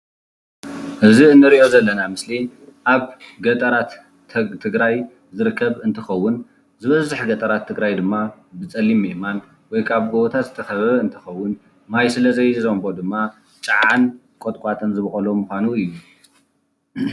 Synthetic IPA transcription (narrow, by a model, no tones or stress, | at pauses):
ʔɨziɨnːɨɾiʔo̞zɐlːɐnamɨsli | ʔaβɡɐt̪ʼɐɾat̪ | t̪ʰɨɡɾaj | zɨɾɨkʰːɐβɨnt̪ʰɨxɐwːʊn | zɨβɐzɨħɡɐt̪ʼɐɾat̪ʰːɨɡɾajd̪ɨmːabɨt͡sʼɐlːimːeʔman | wɔjkʰaβɡoβot̪ʰat̪zɨt̪ʰɐxɐβɐβɐɨnt̪ʰɐ̥xɐwːʊn | majsɨlɐzɐjzombo̞d̪ɨmːa | t͡ʃʼɨʕʕan | kʼot̪ʼkʼat̪ʼɨnzɨβxʼɐlo̞muxʷanuɨjːu